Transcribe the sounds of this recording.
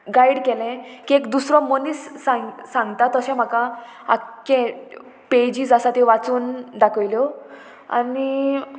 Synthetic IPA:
ɡaiɽkɛlɛ̃kiekd̪usɾɔ̃mənisːãŋsãŋɡt̪at̪əsɛ̃m̤akã | a̰kːɛ̃ | ped͡ʑiːd͡zasat̪iʋat͡suːnd̪akʰəʋiljɔ | a̰ni

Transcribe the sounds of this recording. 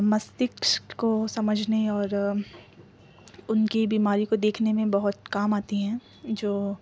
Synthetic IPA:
mɐst̪ɪkʃkosɐməd͡ʒʱneɔːɾ | ʊnkibiːmaːɾikod̪eːkʰnemẽbɐɦʊt̪kaːmaːt̪iɦɛ̃ː | d͡ʒoː

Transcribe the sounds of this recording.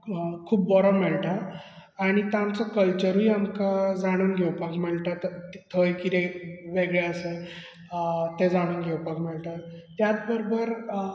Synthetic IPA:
kʰuːpːɔɾɔmɛɭʈ̪aaɽ̃it̪amt͡sɔkəlt͡ɕəɾujamkad͡zaɽ̃uːnɡʱewpakmɛɭʈat̪ʰəjkit̪eʋeɡɭeəse | t̪ed͡zaɽ̃uːnɡʱewpakmɛɭʈ̪at̪jat͡s̪bəɾobəɾ

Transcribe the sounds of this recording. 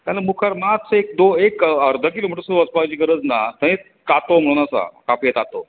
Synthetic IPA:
k̪aləmukʰaɾmat̪sek̚d̪oekəɾd̪ʱəkilomiʈəsəspad͡ʑiːkəɾət͡snat̪ə̃ẽ | kat̪om̤əɽñasa̰kapiet̪at̪o̰

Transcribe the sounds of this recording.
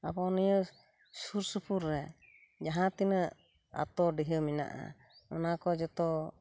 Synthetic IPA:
a̰bɔnijə | suɾsupʰuɾːɛ | d͡ʒaɦãt̪inə | a̰t̪ɔɖiɦəmina̰ʔa̰ | ɔnakɔd͡ʒɔt̪ɔ

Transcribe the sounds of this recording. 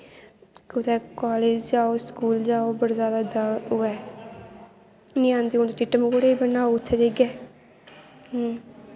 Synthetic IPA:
kʊt̪ʰɛːkaːleːd͡ʒd͡ʒaːoːskuːld͡ʒaːoːbəɾzaːd̪aːd̪aʊːɛː | nĩãːnd̪iːont̪eːʈɪʈːəmkoɽeːibənaːoʊt̪ʰːɛd͡ʒeɡɛː

